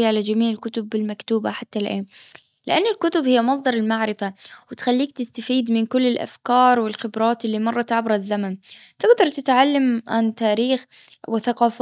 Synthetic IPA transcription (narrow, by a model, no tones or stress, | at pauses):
ʕalad͡ʒamiːʕɪlkʊt̪ʊbːɪlmakt̪uːbaħat̪ːalʔeː | lɪʔanːɪlkʊt̪ʊbhɪjːamɑs̬ˤd̪ɑɾˤɪlmaʕɾɪfawɪt̪xalːiːk̚t̪ɪst̪afiːd̪mɪnkʊlːɪlʔa̰fkɑːɾˤwɪlxɪbɾˤɑːt̪ɪlːiːmɑrˤːɑt̪ʕabɾazːamant̪ɪɡd̪ɑɾˤt̪ɪt̪ʕalːamʕant̪aːɾiːxwɪθaqɑːf